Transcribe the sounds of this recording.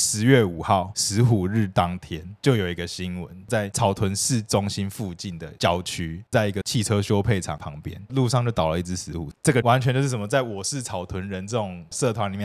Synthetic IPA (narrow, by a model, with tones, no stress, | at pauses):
ʂɻ̩˧˦ɥɛ˥˩u˨˩xɑ˥˩ʊʂɻ̩˧˦xu˨˩ɻ̩˥˩t̪ɑ˦˥ŋt̪ʰjɛ˥nt͡ɕjo˥˩ʊjo˨˩ʊi˧˥ɡə˧ɕi˥nwə̰˧˦nt͡sa˥˩ɪt͡sʰɑ˨˩ʊt̪ʰwə˧˦nsɻ̩˥˩ʈ͡ʂʊ˥ŋɕi˥nfu˥˧t͡ɕi˥˩nd̪ə˩t͡ɕjɑ˨˥˩ʊt͡ɕʰy˥t͡sa˥˩ɪi˧˥ɡə˨t͡ɕʰi˥˩ʈ͡ʂʰɤ˦ɕjo˥ʊpʰe˥˩ɪʈ͡ʂʰɑ̰˨˩ŋpʰɑ˧˦ŋpjɛ̰˦nlu˥˧ʂɑ˥˧ŋt͡ɕjo˥˩ʊt̪ɑ˨ʊlə˦i˥˩t͡sɻ̩˥ʂɻ̩˧˦xṵ˨˩ʈ͡ʂə˥˩ɡə˩wa˧˦nt͡ɕʰɥɛ˧˥nt͡ɕo˥˧ʊʂ̩˥˩sə˨˩mə˦t͡sa˥˩ɪwɔ˨˩ʂɻ̩˥˩t͡sʰɑ˨˩ʊt̪ʰwə˧˦nɻə˧˦nt͡sɤ˥˩ʈ͡ʂʊ˨˩ŋsɤ˥˨t̪ʰwa˦nli˨˩mjɛ˥˩